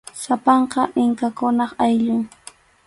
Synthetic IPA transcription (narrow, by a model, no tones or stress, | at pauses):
sapɑɴqɑʔɪŋkakʊnɑχajʎʊŋ